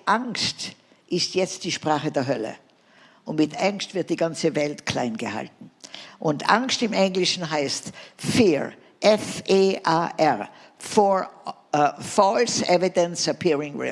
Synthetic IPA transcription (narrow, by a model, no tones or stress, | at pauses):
ʔaŋkst | ʔɪstjɛt͡st̚d̥iːʃpʁ̥aːχədeːɐɦœlə̰ | ʔʊntmɪtʔaŋkstv̥ɪɐt̚d̥iːɡant͡səvɛltkʰl̥aɪnɡəha̰ltn̩ʔʊntʔa̰ŋstɪmʔɛŋɡlɪʃn̩ɦaɪstfiː | ʔɛfeːʔaːʔɛʁ | fɔ | fɔlsʔɛvɪdənsapʰiʁɪŋɹɪ̰